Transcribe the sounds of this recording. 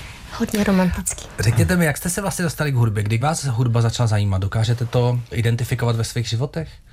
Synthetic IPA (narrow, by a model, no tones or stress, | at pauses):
hodɲɛɾomant̪ɪt͡ski̥rɛkɲɛt̪ɛmɪjakst̪ɛsɛvlast̪ɲɛdo̞st̪alɪɡɦudbjɛɡdɪvaːsɦudbazat͡ʃlazajiːmat̪̚do̞kaːʒɛt̪ɛt̪o̞ʔɪdɛnt̪ɪfɪkovat̪vɛsviːɣʒɪvo̞t̪ɛx